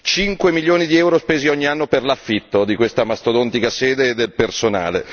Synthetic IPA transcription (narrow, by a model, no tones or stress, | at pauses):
t͡ʃiŋkwemiljoːnid̪iɛwɾospeːziɔɲːianːoperlafːit̪ːod̪ikwest̪amast̪od̪ɔnt̪ikasɛːd̪eːd̪ːelpersona̰ːle